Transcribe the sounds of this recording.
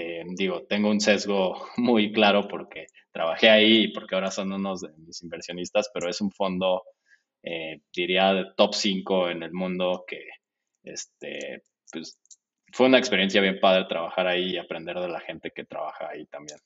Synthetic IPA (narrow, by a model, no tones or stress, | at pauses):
ed̪iɣo̞t̪e̞ŋɡo̞unse̞zɣo̞mujklaɾo̞po̞ɾke̞ | t̪ɾaβ̞axe̞aiːpo̞ɾkeaoɾaso̞nuno̞zðe̞misimbe̞ɾsjo̞nist̪aspe̞ɾo̞e̞suɱfo̞nd̪o̞ | ed̪iɾiaðet̪o̞psiŋko̞e̞ne̞lmũnd̪o̞ke̞ | ḛst̪ḛ | pwes | fwe̞unaekspe̞ɾje̞nsjaβje̞mpaðɾe̞t̪ɾaβ̞axaɾaiːapɾe̞nd̪e̞ɾð̞e̞laxe̞nt̪e̞ke̞t̪ɾa̰βaxa̰ːit̪ambje̞n